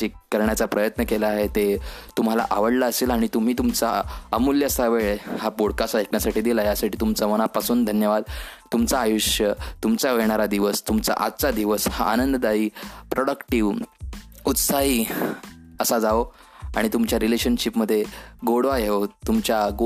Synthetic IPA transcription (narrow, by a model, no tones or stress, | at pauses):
iːəɾɳjat͡sapɾəjət̪nəkelaːɦet̪et̪um̤ala̰ʔaʋəɽlaəseːlaɽ̃it̪um̤iːt̪umt͡saəmuljəsaʋeɭehapoɽkasaekɳjasaʈiːd̪ilaɦjasaʈiːt̪umt͡saməɽ̃apasuːnd̪ʱənjəʋad̪t̪umt͡saːjuɕjət̪umt͡saʋeɳ̃aɾad̪iʋəst̪umt͡sa̰ʔa̰t̪ːt͡sad̪iʋəsha̰ʔanənd̪əd̪aiːpɾoɽəkʈiʋ | ut̪saɦiː | əsad͡zao | aɽ̃it̪umt͡ɕjaɾileɕənɕipməd̪ʱːjeɡoɽʋajeot̪umt͡ɕja